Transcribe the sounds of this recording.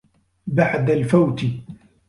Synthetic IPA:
baʕd̪alfawt̪ɪ

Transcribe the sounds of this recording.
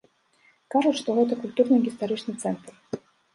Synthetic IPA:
kaʐut͡ɕʲʂt̪ɔɣɛt̪ɐkulʲt̪urnɨɣʲist̪aɾɨt͡ʂnɨt̪sɛnt̪r

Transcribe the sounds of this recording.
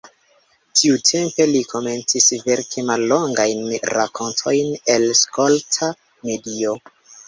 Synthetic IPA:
tʰiutʰe̞mpe̞likʰo̞me̞nt͡sisve̞ɾkʰimalːo̞ŋɡajnɾakʰo̞ntʰo̞jne̞lsko̞ltʰa | me̞dio̞

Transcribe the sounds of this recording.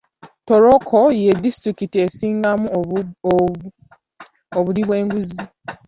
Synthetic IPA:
toɾokʰojedistɾikitie̞siːŋɡamu | oβuliβwe̞ːŋɡuzi

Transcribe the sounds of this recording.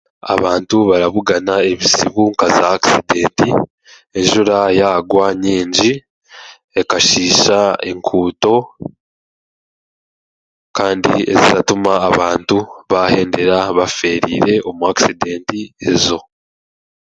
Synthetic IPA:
a̰βaːntuβaɾaβuɡanae̞βiziβuŋkazaːkside̞ːnti | e̞nʒuɾajaɡwaːɲeːɲɟi | e̞kaʃiːʃae̞̰ŋkʰuːto̞ | kaːndḭe̞̰zizatumaːβaːntuβahe̞ːnde̞ɾaβafe̞ːɾḭːɾe̞ʔo̞muaki̥side̞ːntiezo̞

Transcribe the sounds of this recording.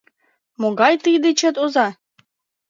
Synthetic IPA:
moɡɑjt̪ijd̪et͡ɕə̆t̪ozɑ

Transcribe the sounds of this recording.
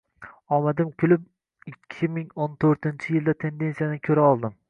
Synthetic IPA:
ɒmad̪ɪmkʲʰʊlɪp̚ | ɪkʲʰːɪmɪŋont̪ʰɵɾt̪ɪnt͡ʃʰɪjɪlˠd̪at̪ʰe̞nd̪e̞nsijanɪkʲʰɵɾaɒlˠd̪ɪm

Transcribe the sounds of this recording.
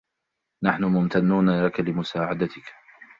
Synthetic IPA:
naħnʊmʊmt̪ʰanːuːnalakalɪmʊsaːʕad̪at̪ɪk

